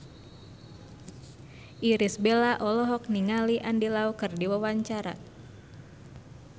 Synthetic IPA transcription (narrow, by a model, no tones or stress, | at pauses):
ʔiɾisbelaʔɔlɔɦɔk̚niŋaliʔandilaukɨrdiwawaɲt͡ʃaɾa̰